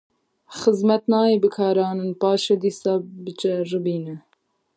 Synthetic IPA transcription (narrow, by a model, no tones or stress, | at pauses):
xɨzmɛt̪nɑːeːbɨkʰɑːɾɑːnɨnpɑːʃɛd̪iːsɑːbɨt͡ʃɛrɨbiːnɨ